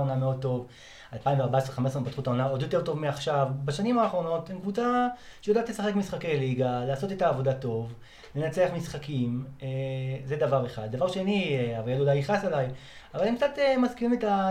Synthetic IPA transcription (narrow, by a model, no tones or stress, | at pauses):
onameo̞d̪̚t̪o̞v | alpaimveaʁbaesʁeχames̬ʁempat̪χutaonao̞d̪jo̞t̪eʁto̞vmeaχʃavbaʃanimaːχʁo̞no̞temkvut͡sa | ʃejod̪at̪lesaχe̞kmisχake̞jliɡalaːso̞tetaːvo̞dato̞v | le̞nat͡seaχmisχakimezed̪avaʁeχad̪̚dːavaʁʃeniavaladulajiχasalaj | avalemkt͡sat̪emazkiʁimeta